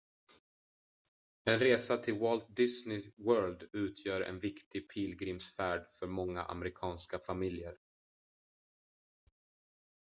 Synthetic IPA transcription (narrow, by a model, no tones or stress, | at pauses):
ɛnɾeːsat̪ʰɪlwɔlt̪̚d̪ɪsnɪwœːld̪ʉ̟ːt̪ʰjœːɾɛ̰nvɪkt̪ɪɡ̚pʰiːlɡɾɪmsfæːɖfœɾmɔŋːa̰ʔa̰mɛɾɪkʰɑːnskafamɪljəɾ